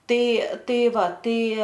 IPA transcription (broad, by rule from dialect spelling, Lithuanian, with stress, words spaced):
ˈtɐɪ ˈtɐɪ ˈʋɐ ˈtɐɪ